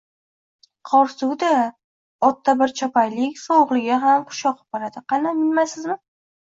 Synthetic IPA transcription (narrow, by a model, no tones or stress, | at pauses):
qʰɒɾsuwd̪a | ɒt̪ʰːabɪɾt͡ʃʰɒpajlɪkʲsowʁlˠɪɡʲaɦamqʰʊ̥ʃɒqb̚aɾad̪ɪqʰɑnamɪnmajsɪzmɪ